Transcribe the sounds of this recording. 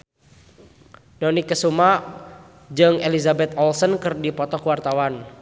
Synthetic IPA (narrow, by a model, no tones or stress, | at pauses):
dɔnikːəsuma | d͡ʒɨŋelizabɛt̪ɔlsənkɨrdipɔt̪ɔkəwart̪awan